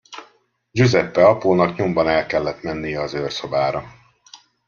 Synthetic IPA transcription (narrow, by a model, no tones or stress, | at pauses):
d͡ʒøzɛpːɛɒpoːnɒkɲombɒnɛlkɛlːɛt̪mɛnːijɛɒzøːrso̞baːɾɒ